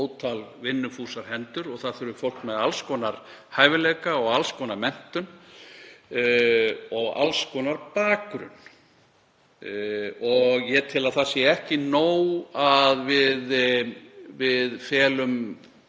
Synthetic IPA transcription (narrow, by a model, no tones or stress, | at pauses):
oːwt̪ʰalvɪnːʏfuːsaɾ̥hɛnt̪ʏɾɔɣθaðθʏɾʏfowl̥kmɛðalskɔnaɾ̥haːjvɪleːkaɔɣalskɔːnaɾmɛn̥t̪ʏn | ɔɣa̰lskɔnaɾpaːkɾʏ̰n | ɔɣjɛt̪ʰɪlaðθasjɛɛhcɪnoːwaðvɪð | vɪðfɛːlʏm